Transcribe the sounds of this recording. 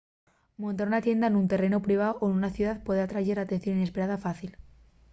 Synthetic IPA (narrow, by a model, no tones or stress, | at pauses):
mõnt̪aɾunat̪je̞nd̪aenunt̪e̞re̞nopɾiβ̞aoʔoenunaθjuðaðpwe̞ðat̪ɾaʝe̞ɾat̪en̟θjo̞nine̞spe̞ɾaðafaθil